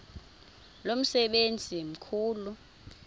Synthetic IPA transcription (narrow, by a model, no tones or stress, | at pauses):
lom̩sɛɓend͡zʱim̩kʰuːlu